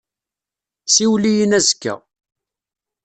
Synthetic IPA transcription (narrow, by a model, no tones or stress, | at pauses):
siwlijənæzkːæ̰